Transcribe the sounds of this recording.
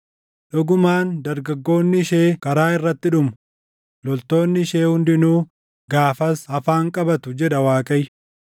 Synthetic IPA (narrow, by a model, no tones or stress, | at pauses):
ᶑɔɡʊmaːnd̪ɐɾɡɐɡːo̞ːnːɪʃeːkɐɾaːɪrːɐt̪ːɪᶑʊmʊ | lɔlt̪o̞ːnːɪʃeːhʊnd̪ɪnuː | ɡaːfɐshɐfaːŋkʼɐbɐt̪ʊd͡ʒɛᶑɐwaːkʼɐj